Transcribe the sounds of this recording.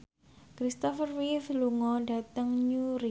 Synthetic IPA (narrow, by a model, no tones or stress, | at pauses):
kɾist̪ɔfərwifluŋɔɖa̤t̪əŋɲuɾi